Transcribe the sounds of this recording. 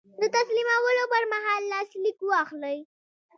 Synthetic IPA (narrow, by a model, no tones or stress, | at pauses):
d̪ət̪aslimawəlopəɾmaɦɑlːɑslikuɑxləj